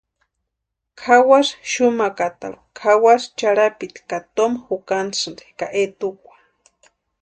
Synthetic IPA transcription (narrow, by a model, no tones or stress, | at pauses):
kʰawasʃumakat̪a̰ɾu̥kʰawaʂt͡ʃaɾapit̪i̥kat̪omxukansɨnde̥kaʔet̪ukʷḁ